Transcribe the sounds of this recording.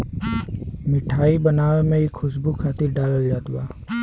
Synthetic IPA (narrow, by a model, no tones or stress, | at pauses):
mɪʈʰaːibənaːʋemẽɪkʰːʊsbukʰaːt̪ɪɾɖaːləld͡ʒaːt̪uʋaː